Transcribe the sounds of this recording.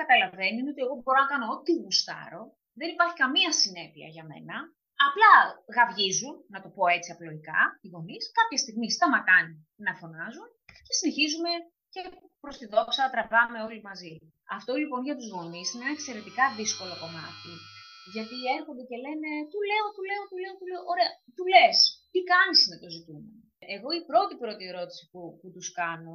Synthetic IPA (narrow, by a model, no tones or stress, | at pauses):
kɐt̪ɐlɐve̞niineo̞t̪ie̞ɣo̞bo̞ɾonɐkɐnoot̪iɣust̪ɐ̰ɾo̞ | ðe̞nipɐɾçikɐmiɐsine̞piɐ̰ʝɐme̞̰nɐː | plɐɣɐvʝizunːɐt̪o̞po̞e̞t͡siɐplo̞ikɐ̰iɣo̞niskɐpçɐst̪iɣmist̪ɐmɐkɐni | nɐfo̞nɐzun | ce̞sine̞çizume̞ | ce̞ | pɾo̞st̪iðo̞psɐt̪ɾɐvɐme̞o̞limɐzi | ɐft̪o̞lipo̞nʝɐt̪uzɣo̞nisineenɐekse̞ɾe̞t̪ikɐðisko̞lo̞ko̞mɐt̪iʝɐt̪ie̞ɾxo̞nd̪ece̞le̞ne̞t̪ule̞o̞t̪ule̞ot̪ule̞ot̪ule̞oʔoɾeɐt̪ule̞st̪ikɐnisnɐt̪o̞zit̪ume | eɣo̞ipɾo̞t̪ipɾo̞t̪ie̞ɾo̞t̪i̥si̥puput̪uskɐno̞